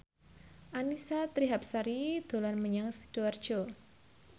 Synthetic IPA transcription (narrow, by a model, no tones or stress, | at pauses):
ʔanisat̪ɾiɦap̚saɾid̪̥o̤lanməɲaŋsi̥d̥uard̥ʒ̥o